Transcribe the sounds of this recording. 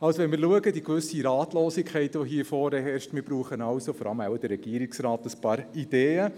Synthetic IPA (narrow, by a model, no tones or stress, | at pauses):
ɑwsoʋɛnmɪɾluəɡədikʋʏsiɾɑːtloːsikʰχɛɪtʋoɦiːɾfoːɾəɦɛɾʃtmɪbɾuːχənɑwsofɔɾʔɑ̰ləmawd̥əɾɛɡ̥iːəɾiksɾɑːtəspɑːɾid̥eːə